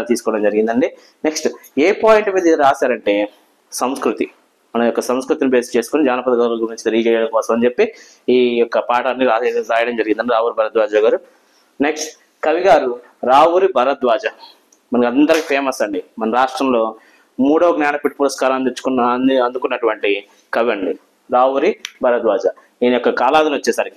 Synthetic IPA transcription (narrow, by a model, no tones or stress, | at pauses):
t̪iːsu̥kɔːɐɽɐmd͡ʒɐɾiɡind̪ɐɳɖi | ne̞ksʈeːpaːjiɳʈmiːd̪iɾaːsaːɾɐɳʈe̞ː | sɐmskɾut̪i | mɐnɐjɔkːɐsɐmskɾut̪inibeːst͡ʃe̞ːsu̥konid͡ʒaːnɐpɐd̪ɐɡɐlɐɡuɐɲt͡ʃi̥t̪ɐɾid͡ʒɛːjɐɽɐmkɔːsɐmɐnt͡ʃe̞pːi | iːɔkːɐpaːʈɐnːiɾaːɾaːjɐɽɐmd͡ʒɐɾiɡind̪ɐɳɖiɾaːʋuːɾibʱɐɾɐt̪d̪ʋaːd͡ʒaːɡaːɾu | ne̞ksʈ | kɐʋiɡaːɾu | ɾaːʋuɾibʱɐɾɐt̪̚ʋaːd͡ʒa | mɐnɐkɐnd̪ɐɾɐkipʰeːmɐsɐɳɖimɐnɐɾaːʂʈɾɐmlo̞ː | muːɽɐʋɐɡnjaːnɐpiʈ̚ːpuɾɐskaːɾɐmɐnd̪it͡ʃːu̥kunɐnd̪ukunːɐʈuʋɐɳʈi | kɐʋiɐɳɖi | ɾaːʋuɾibʱɐɾɐt̪̚ʋaːd͡ʒɐ | iːnɐjɔkːɐkaːlaːd̪ɐnʋɐt͡ʃːɛːsaːɾiki